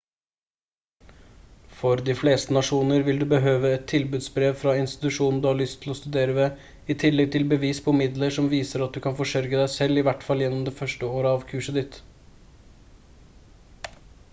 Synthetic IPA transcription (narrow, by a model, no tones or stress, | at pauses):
fɔɾd̪ɪfleːst̪ənɑʂuːnəɾʋɪld̪ʉbəɦøːʋəɛt̪ʰːɪlbʉd̪sbɾeːʋfɾɑɪnst̪ɪ̥t̪ʉʂuːnn̩d̪ʉhɑɭʏst̪ʰːɪlɔst̪ʉd̪eːɾəʋe | ɪt̪ʰɪlːɛɡ̚t̪ʰɪlbəʋiːspʰɔmɪd̪ləʂɔmʋiːsəɾɑt̪̚d̪ʉkʰɑnfɔʂœɾɡəd̪æɪsɛlɪʋæʈfɑljɛnːɔmd̪ɛfœʂʈəoːɾəɑʋkʰʉːʂəd̪ɪt̪